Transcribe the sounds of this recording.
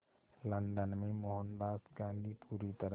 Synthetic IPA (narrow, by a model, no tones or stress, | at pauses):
lə̃nɖənmẽmoɦənd̪aːsɡãːnɡ̪ipʰuːɾit̪əɾə